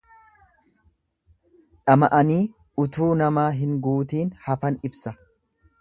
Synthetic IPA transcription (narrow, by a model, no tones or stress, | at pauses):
ᶑɐmɐʔɐniː | ʊt̪uːnɐmaːɦɪŋɡuːt̪iːnhɐfɐnɪbsɐ